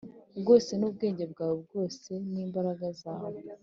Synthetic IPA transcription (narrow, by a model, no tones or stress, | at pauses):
bɡo̞ːse̞nuːb̚ɡe̞ːɲɟe̞bɡaːwebɡo̞ːse̞niːmbaɾaɡazaːwe